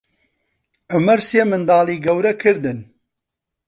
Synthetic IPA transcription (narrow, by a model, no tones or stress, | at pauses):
ʊmɐɾseːmɨnd̪aːliːɡɐwɾɛkʰɨɾd̪ɨn